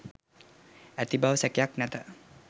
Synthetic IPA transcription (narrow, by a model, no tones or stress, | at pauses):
æt̪ibaʋəsɛkjaknæt̪ə